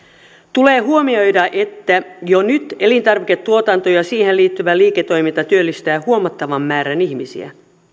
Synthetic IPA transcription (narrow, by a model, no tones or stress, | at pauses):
t̪ule̞ːɦuo̞mio̞jdɑʔe̞t̪ːæjonyt̪e̞lint̪ɑrʋike̞t̪ːuo̞t̪ɑnt̪o̞jɑsiːhe̞liːt̪ːyʋæliːket̪ːo̞jmint̪ɑt̪yølːist̪æːhuomɑt̪ːɑʋɑmːæːɾæniçmisḭæ̰